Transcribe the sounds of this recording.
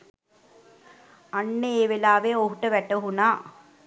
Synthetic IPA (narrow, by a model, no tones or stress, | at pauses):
ɐɳːeeːʋelaːʋeːoɦuʈːɐʋɛʈːɐɦunaː